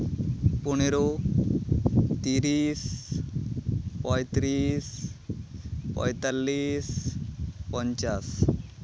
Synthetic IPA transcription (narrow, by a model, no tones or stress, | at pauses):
puneɾo | t̪iɾiːs | pɔjt̪ɾiːs | pɔ̰jt̪alːiːs | pɔɲt͡ɕas